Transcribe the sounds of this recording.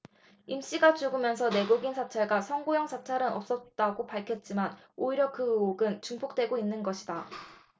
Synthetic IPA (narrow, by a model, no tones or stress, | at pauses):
imɕ͈iɡat͡ɕuɡɯmjʌns̬ʰʌne̞ɡuɡinsʰat͡ɕʰaɭɡasʰʌŋɡojʌŋsʰat͡ɕʰaɾɯnʌp̚s͈ʌt̚t͈aɡopaɭkʰjʌt̚t͡ɕ͈iman | oiɾjʌkɯɯoɡɯnt͡ɕuŋpʰok̚t͈we̞ɡoinːɯnɡʌɕʰida